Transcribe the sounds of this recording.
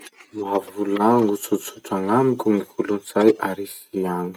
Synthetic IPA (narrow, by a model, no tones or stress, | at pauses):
mavulaŋɡut͡suʈ͡ʂt͡suʈ͡ʂaŋamikʲuŋikulunz̥ajʔaɾisiaŋi̥